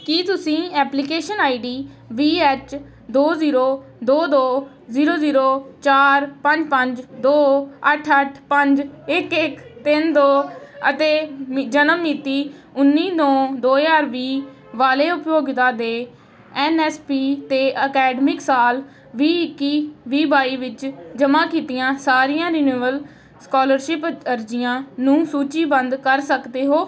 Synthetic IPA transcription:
kit̪ʊsĩːɛːplɪkeːʃənaːiɖiː | ʋiːɛːt͡ʃ | d̪oːziːɾoːd̪oːd̪oː | ziːɾoːziːɾoːt͡ʃaːɾpəɲd͡ʒpəɲd͡ʒd̪oːəʈʰəʈʰpəɲd͡ʒɪkɪkt̪ɪnd̪oːət̪eːd͡ʒənəmːiːt̪iː | ʊnːiːd̪õːd̪oːjaːɾʋiː | ʋaːleːʊpjoːɡt̪aːd̪eː | ɛːnɛːspiːt̪eːʔəkɛːɖmɪksaːl | ʋiːɪkːiːʋiːbaːiːʋɪt͡ʃd͡ʒəmãːkiːt̪ɪjãːsaːɾɪjãːɾɪnuːʋəl | skɔːləɾʃɪpəɾd͡ʒɪjãːnũːsuːt͡ʃiːbənd̪kəɾsəkd̪eːɦoː

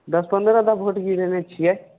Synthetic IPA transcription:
d̪ɐspənd̪ɾad̪abʱoʈɡiɾenet͡ʃʰia

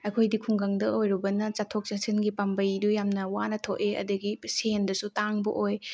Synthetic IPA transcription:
ɐkʰojdikʰuŋɡaŋdɐʔojɾubɐnɐt͡ʃatʰok̚t͡ʃasinɡipambɐjdujamnɐwanɐtʰoʔeɐ̰dɐɡisendɐsutaŋbɐ̰ʔoj

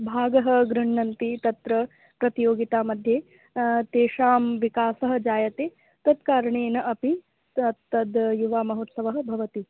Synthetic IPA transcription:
bʱaːɡɐɦɐ̆ɡɾuɳːɐnt̪it̪ɐt̪ɾɐ | pɾɐt̪ijoːɡit̪aːmɐd̪ʱjeː | t̪eːʂaːmʋikaːsɐɦɐ̆d͡ʒaːjɐt̪eː | t̪ɐd̪kaːɾɐɳeːnɐʔɐpi | ɐt̪ːɐd̪juʋaːmɐɦoːt̪sɐʋɐɦɐ̆bʱɐʋɐt̪i

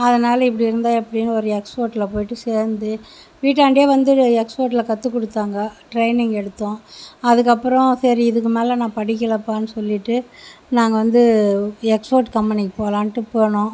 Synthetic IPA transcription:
ɐðɐnaːlɐɪp̬ːɐɽiɪɾɯnd̪aːɛpːɐɽɪjnːɐɔɾɯɛkspoːɾʈɪlɐpoːjɪʈːɯseːɾnd̪ɯ | ʋiːʈ̬ːaːɳɖjeːʋɐnd̪ɯɛkspoːɾʈ̬ɪlɐkɐt̪ːɯkːɔɽɯt̪ːaːŋɡɐʈɾɐɪnɪŋɡɛɽɯt̪ːõːɐðɯk̬ːɐpːɯɾɔ̃sɐɾiɪðɯk̬ːɯmeːlɐnãːpɐɽɪk̬ːɪlɐpːaːnːɯsɔlːɪʈːɯnaːŋɡɐʋɐnd̪ɯɛkspoːɾʈkɐmpɐnɪkːpoːlaːnʈːɯpoːɳõː

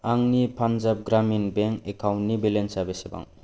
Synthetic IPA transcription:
aŋnipʰanzap̚ɡɾaminbeŋkekʰawnnibilensabeseba̰ŋ

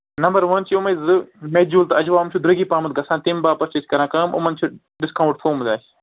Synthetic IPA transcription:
nɐmbɐɾʋɐnt͡ʃʰiumɐzɨmeːd͡ʒuːlt̪ɐɐd͡ʒʋaːɐmt͡ʃʰud̪ɾɐɡiːpaːmɐt̪̚ɡɐsãːnt̪imbaːpɐɾt͡ʃet͡ʃkɐɾãːkɐːmʔʊ̰mɐnt͡ʃʰu | ɖɪskaːwũɳʈfʰoːmzaːs

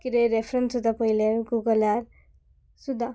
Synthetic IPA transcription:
kiɾeɾepʰɾensud̪apʌileɾuɡuɡɔlaɾ | sud̪a

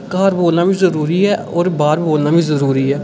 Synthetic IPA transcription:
kaːɾboːlnaːbʱĩːzəɾuːɾiːɦɛːɔːɾbaːɾboːlnaːbʱĩːzəɾuːɾiːɦɛː

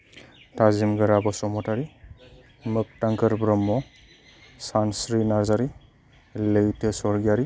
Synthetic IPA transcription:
tʰazimɡɯɾabɔsɔmɔtaɾi | mɯk̚taŋkʰɯɾbɾɔmːɔ | sansɾinaɾzaɾi | lejtʰesɔɾɡijaɾi

